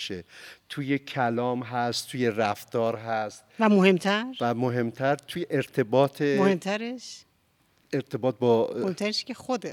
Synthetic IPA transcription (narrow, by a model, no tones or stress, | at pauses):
ʃet̪ʰuːjecʰælɒːmɦæst̪t̪ʰːuje̞ræft̪ɒːɾɦæst̪væmoɦe̞mt̪ʰæɾvæmoɦemt̪ʰæɾt̪ʰujeʔeɾt̪ʰe̞bɒːt̪ʰemohemt̪ʰæɾeʃ | eɾt̪ʰebɒːt̪̚bɒohemt̪ʰæɾeʃkexod̪e